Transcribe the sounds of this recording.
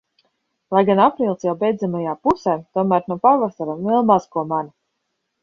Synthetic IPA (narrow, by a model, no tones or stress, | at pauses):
lˠajɡanapɾiːlˠsjawbʲɛjd̪zamajaːpusɛjt̪uɔmæːɾnuɔpaɾvasaɾamiɛlˠmazkuɔman